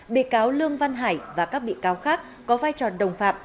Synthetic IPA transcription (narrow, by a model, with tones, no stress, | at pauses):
ɓḭ˧˨kaː˨˦wlɨ˧əŋva˧nɦaː˧˩jvaː˨˩kaː˦˥k̚ɓḭ˧˨kaː˨˦wxaː˦˥k̚ːɔ˨˦vaː˧jt͡ɕɔ˨˩ɗə˨˩wŋ͡mfaː˧˩p̚